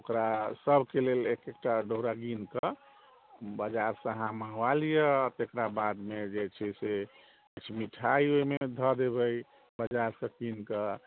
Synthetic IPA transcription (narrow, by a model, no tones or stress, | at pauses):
okɾasəbʱkelelekek̚ʈaɖʱoɦɾaɡinkə | bəd͡ʒaɾsəɦãməɦalijət̪ekɾabad̪med͡ʒet͡ʃʰɛse | t͡ʃʰmiʈʰaioimed̪ʱəd̪ebəj | bəd͡ʒaɾsə̃kinkə